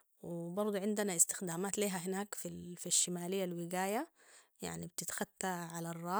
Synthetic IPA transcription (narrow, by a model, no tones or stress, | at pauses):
wɪbɑɾˤd̪ˤuʕɪnd̪ɪnaʔɪst̪ɪ̥xd̪aːmaːt̪liːɦaɦɪnaːkfifiʃːɪmaːlɪjːalwɪɡaːja | ja̰ʕnibt̪ɪt̪xat̪ːaʕalarˤːɑː